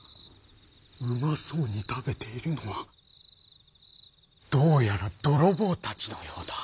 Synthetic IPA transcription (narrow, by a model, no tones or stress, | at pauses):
ɯ̟masoːɲ̟it̪abe̞t̪e̞iɾɯ̟no̞βa | d̪̥o̞ːjaɾad̪̥o̞ɾo̞bo̞ːt̪at͡ɕi̥no̞joːd̪̥a